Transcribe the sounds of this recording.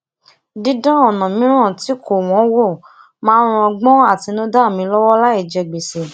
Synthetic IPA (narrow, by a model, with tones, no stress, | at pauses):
di˦dã˦ɔ˨nã˨mĩ˦ɾ̃ã˦˨ti˨˦ko˦˨w̃ɔ̃˨˦wo˦˨ | mãː˦ɾ̃ũ˧ɔ˧ɡ͡bɔ̃˦a˦˨ti˧nũ˦da˦˨mĩ˧˦lɔ˦wɔ˦la˦i˦˨d͡ʒɛ˧ɡ͡be˨se˨